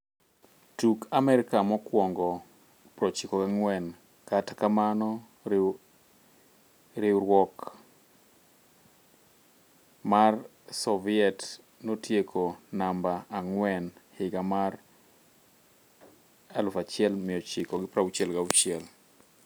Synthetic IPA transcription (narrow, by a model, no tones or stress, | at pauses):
tukamɛɾɪkamɔkwɔŋɡɔ | pɾɔt͡ʃɪkɔɡaŋwɛn | katakamanɔ | ɾɪɾwɔk | mar | sɔvɪɛt | notjekʰonambaaŋwɛnhɪɡamar | alʊfat͡ʃɪɛlmɪjɔt͡ʃɪkɔɡɪpɾaut͡ʃɛlɡaut͡ʃɪɛl